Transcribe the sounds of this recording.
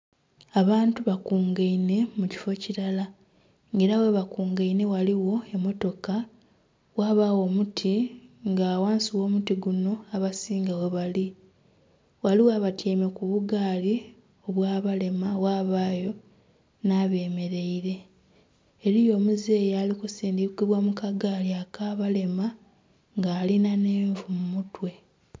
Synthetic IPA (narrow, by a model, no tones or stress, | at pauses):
aβaːntuβakuːŋɡaine̞muci̥fo̞ciɾala | ŋɡe̞ːɾawe̞βakuːŋɡaine̞waliwo̞e̞mːo̞to̞ka | waːβaːwo̞mutʰiŋɡaːwaːnsiwo̞ːmutiɡuno̞aβasiːŋɡawe̞βali | waliwaːβatjeːmekuβuɡaːli | o̞βwaːβale̞mawaːβaːjo̞ | naːβe̞ːme̞ɾe̞iɾe̞ː | ɾijo̞ːmuze̞ːjaːlikusiːndikiβwamukaɡaːliakaːβale̞ma | ŋɡaːlinaneːɱvumumutwe̞